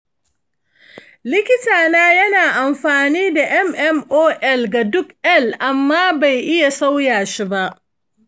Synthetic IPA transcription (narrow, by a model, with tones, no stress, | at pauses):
lɪ˦kʲɪ˦taː˨naː˦jɐ˦naː˨ʔa˨mɸaː˨niː˦da˨ʔɛ˦mʔɛ˦mʔoː˦ʔɛ˦lɡa˨dʊ˦kʔɛ˦lʔa˨mːaː˦ba˨jʔɪ˦ja˨sa˦wjaː˨ʃi˦ba˦ʔ